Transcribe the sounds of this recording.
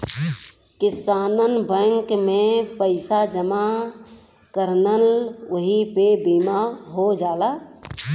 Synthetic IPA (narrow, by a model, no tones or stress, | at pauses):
kɪsaːnənbəŋkmẽpəɪsad͡ʒəma | kəɾnələɦipebimaɦod͡ʒaːla